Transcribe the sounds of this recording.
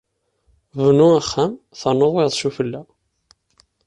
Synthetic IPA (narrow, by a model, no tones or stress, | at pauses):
vnuæχːæm | θənːoðˤiðˤʃufəlːæ